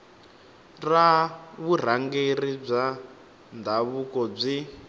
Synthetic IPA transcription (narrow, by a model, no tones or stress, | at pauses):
raβur̤aŋɡerib͡ʐa | ndʱaβukɔb͡ʐi